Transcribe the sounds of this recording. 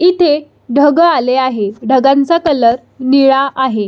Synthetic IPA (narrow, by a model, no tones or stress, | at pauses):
it̪ʰe | ɖʱəɡaleaɦeɖʱəɡant͡sakələɾ | niɭaʔaɦe